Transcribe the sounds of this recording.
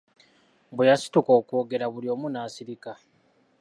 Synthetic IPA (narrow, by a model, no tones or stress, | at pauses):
bwejasi̥tuko̞ːkwo̞ːɡe̞ɾaβulio̞ːmunaːsiɾika